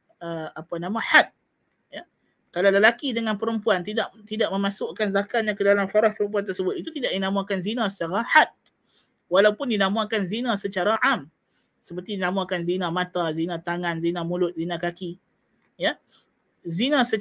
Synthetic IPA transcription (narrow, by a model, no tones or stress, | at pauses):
əapanamãħat̪̚ | ja | kalaləlakidəŋãnpəɾəmpuant̪idaʔt̪idaʔ̚mə̃mãsʊʔkanzakaɲãkədalamfaɾaspəɾəmp̬uant̪ərsəbʊt̪it̪ut̪idaʔdinamaakanzinãsət͡ʃaɾaħat̪̚ | walawpʊndinamaakanzinãsət͡ʃaɾaʔam | səpərt̪idinãmakanzinãmãt̪azinãt̪aŋãnzinãmulʊt̪̚zinãkaki | ja | zinãsə